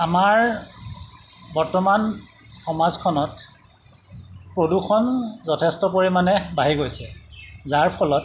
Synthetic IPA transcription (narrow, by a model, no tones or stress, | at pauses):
amaɹ | bɔɹtɔman | xɔmazkʰɔnɔt | pɹodukʰɔnzɔtʰɛstɔpoɹimanɛbaɦiɡojsɛzaɹpʰɔlɔt